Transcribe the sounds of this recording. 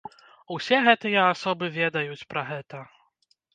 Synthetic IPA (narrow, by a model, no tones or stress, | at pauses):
wsʲɛɣɛt̪ɨjɛasɔbɨvʲɛd̪ɐjut͡sʲpɾɐɣɛt̪ɐ